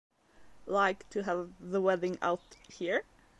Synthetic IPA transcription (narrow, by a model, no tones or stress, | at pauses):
laɪktʰɨəvðəwɛðɪ̃ŋa̰ʊthiɹ